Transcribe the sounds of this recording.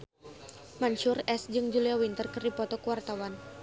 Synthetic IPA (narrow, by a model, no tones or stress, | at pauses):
manʃurɛsd͡ʒɨŋd͡ʒuliawint̪ərkɨrdipɔt̪ɔkəwart̪awan